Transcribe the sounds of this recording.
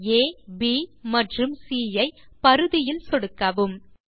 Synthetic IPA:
eːbiːmɐʈrɯmsiːjɐɪpɐɾɯðɪjɪlsɔɽɯkːɐʋɯm

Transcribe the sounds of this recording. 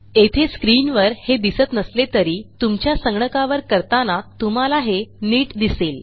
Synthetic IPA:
et̪ʰeskɾiːnʋəɾhed̪isət̪nəslet̪əɾiːt̪umt͡ɕjasəŋɡɳəkaʋəɾkəɾt̪anat̪um̤alaɦeniːʈd̪iseːl

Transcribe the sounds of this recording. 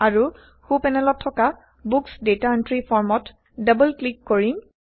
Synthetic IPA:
aɹu | xupɛnɛlɔtʰːɔka | buksdetaəntɹipʰɔɹmɔt | dabəlklikːoɹiŋ

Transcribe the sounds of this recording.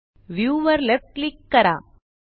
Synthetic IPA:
ʋjuːʋɐɾlefʈlikːɐɾa̰ː

